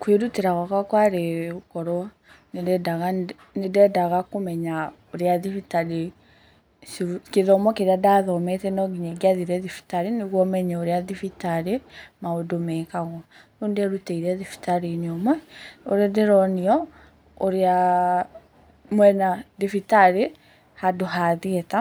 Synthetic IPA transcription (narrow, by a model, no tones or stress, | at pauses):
kweɾuteɾaɣakakwaɾeokɔɾɔ | nedɛdaɣa | nedɛdaɣakomɛɲa | oɾeaðifitaɾe | skeðɔmɔkeɾeadaðɔmɛtɛnɔɡiɲɛɡiaðiɾɛðifi̥taɾeneɣwɔmɛɲɛoɾeaðifitaɾemaodomɛːkaɣɔnoːndɛɾuteiɾɛðifi̥taɾeneɔmwɛo̰ɾɛdɛɾɔniɔ | oɾea | mwɛnaðifitaɾe | hadoɦaðiɛta